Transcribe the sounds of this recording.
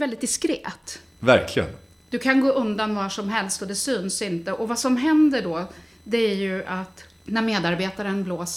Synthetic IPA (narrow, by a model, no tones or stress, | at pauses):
vɛld̪ɪt̪̚d̪ɪskɾeːt̪ | væ̰ɾkʰlɪɡə̰n | d̪̥ɵkʰanɡoːʔɵnd̪anvaʂɔmɦɛlst̪ɔd̪ɛsyːnsɪnt̪əʔɔvasɔmɦɛnd̪əɖɔ | d̪ɛæɾjɵat̪ | næɾmeːd̪aɾbeːt̪aɾənbloːs